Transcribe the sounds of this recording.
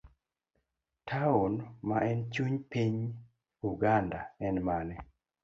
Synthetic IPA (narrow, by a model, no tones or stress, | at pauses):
tʰaunmaʔɛnt͡ʃuɲpiɲ | uɡandaɛnmanɛ